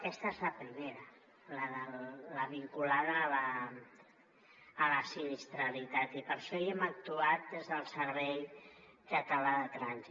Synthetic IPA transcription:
kɛst̪əezləpɾimeɾə | ləðəlləβiŋkulaðəːlə | ləsinist̪ɾəlit̪at̪ipəɾʃɔiɛmək̚t̪uat̪̚d̪ezðəlˠsəɾβɛjkət̪əlaðət̪ɾanzi

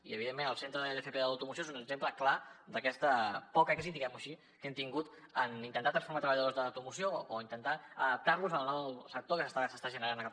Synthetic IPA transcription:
iəβiðemːenəlˠsent̪ɾəðelefepeðələwt̪umusjoezunəɡzempləklad̪əkɛst̪əpɔkəɛkzid̪iɣɛmuəʃi | kɛmt̪iŋɡut̪ | ənint̪ənt̪at̪ɾənsfuɾmat̪ɾəβəʎəðozðələwt̪umusiooint̪ənt̪aəðəp̚t̪aɾluzəlˠnɔwsək̚t̪okəsəst̪asəst̪aʒənəɾanəka

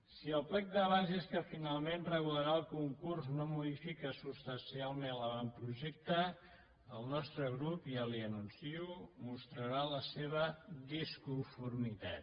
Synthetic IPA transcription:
siəlˠplɛk̚d̪əβazeskəfinalˠmenrəɣuləɾaəlˠkuŋkurznomuðifikəsust̪ənsialˠmẽnləβampɾuʒɛk̚t̪ə | əlˠnɔst̪ɾəɣ̞ɾupiəliənunsiumust̪ɾəɾaləseβ̞əðiskuɱfuɾmit̪a̰t̪

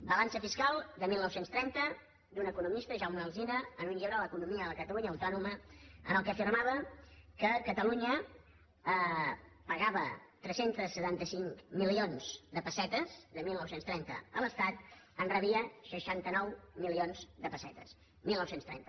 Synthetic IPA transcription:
bəlansəfiskalˠd̪əmilˠnɔwsenst̪ɾɛnt̪ə | d̪unəkunumist̪əʒawməlˠzinəːnuɲʎiɾaləkunumiəðəkət̪əluɲəːwt̪ɔnuməə̰nəlˠkəfirmaβ̞əkəkət̪əluɲə | əpəɣaβə̰t̪ɾɛsent̪əsːət̪ant̪əsiŋkmilionz̥d̪əpəsɛt̪əzðəmilˠnɔwsenst̪ɾɛnt̪ə̰ələst̪at̪ | ənrəβiəʃəʃant̪ənɔwmilionzd̪əpəsɛ̰t̪ə̰s | milˠnɔwsenst̪ɾɛ̰nt̪ə

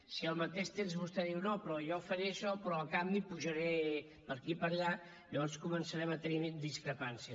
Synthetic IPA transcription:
siəlˠmət̪eʃt̪emzβust̪ɛðiwnopɾɔjɔfəɾeəʃɔpɾɔəlˠkambipuʒəɾɛ | pəɾkipəɾʎa | ʎəβɔnskumənsəɾɛmət̪ənid̪iskɾəpansiə

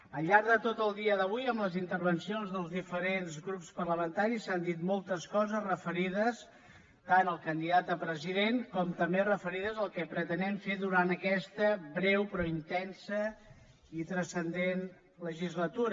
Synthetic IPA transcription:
əʎːaɾðət̪ot̪əlˠd̪iəðəβ̞ujəmləzint̪əɾβənsionzðəlˠzðifəɾenzɣɾupspərləmənt̪aɾisːand̪it̪mɔlˠt̪əskɔzəzrəfəɾiðəs | t̪anəlˠkənd̪iðat̪̚d̪əpɾəziðeŋkɔmt̪əmberəfəɾiðəzəlˠkɛpɾət̪ənɛɱfeðuɾanəkɛst̪əbɾɛwpɾɔint̪ɛnsə | it̪ɾəsənd̪en | ləʒizlət̪uɾə

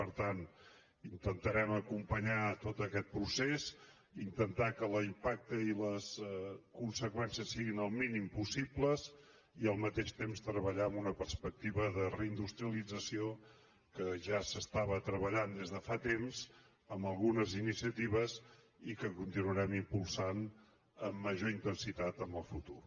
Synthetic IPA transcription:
pəɾt̪an | int̪ənt̪əɾɛməkumpəɲat̪ot̪əkɛt̪̚pɾusez | int̪ənt̪akələimpak̚t̪əiləskunsəkwɛnsiəsːiɣinəlˠminimpusipləz | iəlˠmət̪eʃt̪emst̪ɾəβəʎaəmunəpərspək̚t̪iβəðərəind̪ust̪ɾiəlid͡zəsio | kəʒasəst̪aβət̪ɾəβəʎand̪ezðəfat̪emz | əmbəlˠɣunəzinisiət̪iβəz | ikəkunt̪inuəɾɛmimpulˠsan | əmːəʒoint̪ənsit̪at̪əmbəlˠfut̪ur

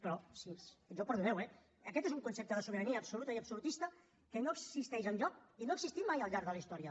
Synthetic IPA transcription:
pəɾɔsisəʒɔpəɾðuβɛwɛ | əkɛt̪ezuŋkunsep̚t̪əðəsuβəɾəniəːpsulut̪əiəpsulut̪ist̪ə | kənoəkssist̪ɛʃənʎɔkinoəɡzist̪it̪majəlˠʎaɾðələist̪ɔɾiə

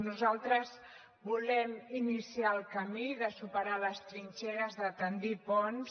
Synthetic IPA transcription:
nuzalˠt̪ɾəz | bulɛminisialˠkəmiðəsupəɾaləst̪ɾinʲt͡ʃɛɾəzðət̪ənd̪ipɔns

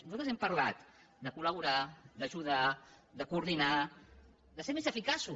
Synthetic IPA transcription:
nuzalt̪ɾəzɛmpəɾla̰t̪ | d̪əkuləβ̞uɾad̪əʒuða | d̪əkuːɾðina | d̪əseɾmezəfikasu

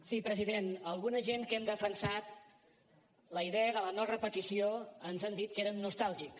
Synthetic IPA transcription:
sipɾəziðenəlˠɣunəʒeŋkɛmd̪əfənsat̪̚ | ləiðɛəðələnɔrɾəpət̪isioənzand̪it̪̚keɾəmnust̪alˠʒik

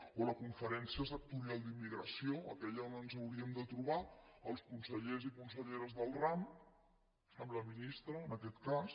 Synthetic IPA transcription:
oləkuɱfəɾɛnsiəs̬ək̚t̪uɾialˠd̪imːiɣɾə̰sioə̰kɛʎəonənzəwɾiəmd̪ət̪ɾuβaəlˠskunsəʎezikuns̬əʎeɾəzðəlˠram | sɛmləminist̪ɾəːnəkɛt̪kas

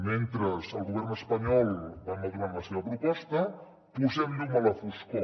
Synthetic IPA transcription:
ment̪ɾəzəlˠɣuβɛrnəspəɲɔlˠbaməðuɾaɾləseβəpɾupɔst̪ə | puzɛmlumələfisko

